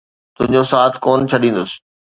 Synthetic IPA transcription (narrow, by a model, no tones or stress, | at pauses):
t̪ʊ̃ɦɪ̃ɲd͡ʑosaːt̪ʰkoːnt͡ɕʰɐɗĩːn̆d̪ʊsɪ̥̆